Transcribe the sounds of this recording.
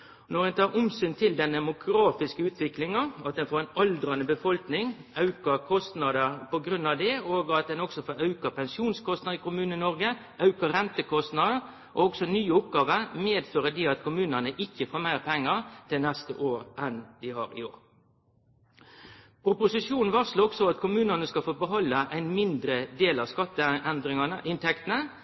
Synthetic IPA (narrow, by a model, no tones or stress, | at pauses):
nɔɾɛnt̪ʰɑːɾʊmsynt̪ʰɪld̪ɛnd̪ɛmʊkɾɑːfɪskəʉːt̪ʰʋɪklɪŋɑɑt̪̚d̪ɛnfoːɾɛnɑld̪ɾɑnəbəfɔlknɪŋɑʉkəɾkʰɔst̪nɑd̪əɾpɔɡɾʉnɑʋd̪ɛoːɡɑt̪̚d̪ɛnɔksɔfoːɾɑʉkəpʰɛnsuːnskʰɔst̪nɑɪkʊmʉːnn̩ɪnɔʁɡə | ʔɑʉkəʁɛnt̪əkʰɔst̪nɑd̪əɾ | ʔɔɔɡsɔnyːəʊp̚ɡɑːʋəɾmeːd̪føːɾəd̪iːɑt̪kʰʊmʉːnənəʔɪçːəfoːmæɪʁpʰɛŋːəɾt̪ʰɪlnɛst̪ə̰ʔoːɾʔɛnd̪ɪhɑ̰ɾɪ̰o̰ːɾ | ʊpʊsɪʂjuːn̩ʋɑslɔksɔɑt̪kʊmʉːnənəskɑfoːbəɦɔlːəʔæɪnmɪnd̪ɾəd̪eːlɑʋskɑt̪ːəɛnd̪ɾɪŋɑnəɪnt̪ʰɛkt̪ənə